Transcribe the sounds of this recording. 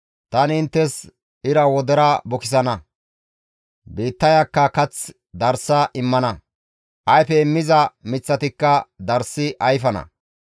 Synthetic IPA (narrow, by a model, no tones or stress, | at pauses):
t̪ɐnɪnt̪ːɛs | ɪɾɐwɔd̪ɛɾɐbɔkɪs̬ɐnɐ | biːt̪ːɐjɐkːɐkɐt͡s | d̪ɐɾsɐʔɪmːɐnɐ | ʔɐjfɛɪmːɪzɐmɪt͡sːɐt̪ɪkːɐd̪ɐɾsːɪʔɐjfɐnɐ̰